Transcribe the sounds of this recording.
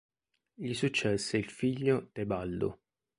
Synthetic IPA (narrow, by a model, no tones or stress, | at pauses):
ʎisut͡ʃːɛsːeilfiʎːot̪ebald̪ʊ̰